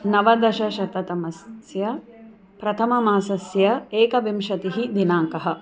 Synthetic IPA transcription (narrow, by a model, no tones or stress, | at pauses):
nɐʋɐd̪ɐʃɐʃɐt̪ɐt̪ɐmɐsjɐ | pɾɐt̪ʰɐmɐmaːsɐsjɐeːkɐʋimʃɐt̪iɦid̪inaːŋkɐɦɐ̆